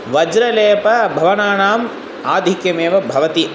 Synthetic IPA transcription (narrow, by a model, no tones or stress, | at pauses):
ʋɐd͡ʒɾɐleːpɐbʱɐʋɐnaːɳaːm | aːd̪ʱikjɐmeːʋɐbʱɐʋɐt̪i